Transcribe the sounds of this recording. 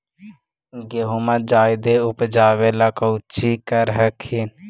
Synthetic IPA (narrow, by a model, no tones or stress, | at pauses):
ɡeɦuməd͡ʒaːjd̪eʊpd͡ʒaːʋelakəwt͡ʃikəɾɦəkʰin